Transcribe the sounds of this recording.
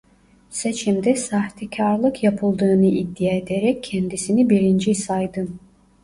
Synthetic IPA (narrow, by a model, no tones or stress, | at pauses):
set͡ʃʰimd̪ɛsaht̪ʰicʰaɾlˠɯkjapʰɯlˠd̪ɯːnɯid̪ːijaed̪eɾɛcʰːɛnd̪isinibiɾind͡ʒisajd̪ɯm